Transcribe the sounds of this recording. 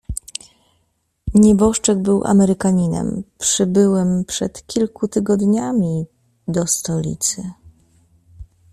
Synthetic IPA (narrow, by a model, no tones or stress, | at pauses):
ɲɛbɔʂt͡ʂɛɡ̚bɘwʔa̰mɛɾɘkaɲinɛ̰mpʂɘbɘwɛmpʂɛt̪kʲilkut̪ɘɡɔd̪ɲamʲi | d̪ɔst̪ɔlʲḭt̪sɘ